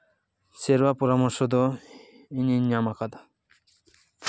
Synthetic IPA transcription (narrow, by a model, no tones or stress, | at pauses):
seɾwapɔɾamɔɾsɔd̪ɔ | iniɲamakad̪ḁ